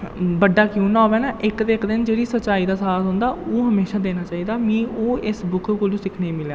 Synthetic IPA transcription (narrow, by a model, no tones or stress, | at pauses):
bəɖːaːkjũːnãːbɛːnaːʔɪkd̪eːkd̪ɪnd͡ʒeːɽiːsətːt͡ʃːaːiːd̪aːsaːt̪ɦʊ̃ːnd̪aːʔoːɦəmeːʃaːd̪eːnaːt͡ʃaːiːd̪aːmĩːoːɪsbʊkʰkoːlũːsɪkʰneːmɪljaː